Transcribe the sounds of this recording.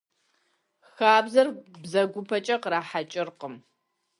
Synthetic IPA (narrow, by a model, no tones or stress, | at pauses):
xaːbzɐrbzɐɡʷʊpʰɐt͡ʃʼɐqɾaːħat͡ʃʼɪrqəm